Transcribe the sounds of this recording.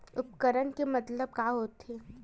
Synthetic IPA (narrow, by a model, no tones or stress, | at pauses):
ʊpkəɾənkemɐt̪ləb̚kaːɦoːt̪eː